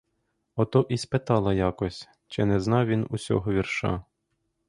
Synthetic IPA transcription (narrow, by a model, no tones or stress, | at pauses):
ɔt̪ɔʔispet̪ɑlˠɐjɑkɔsʲ | t͡ʃɪnɛznɑwʋʲinusʲɔ̰ɦɔʋʲirʃɑ̰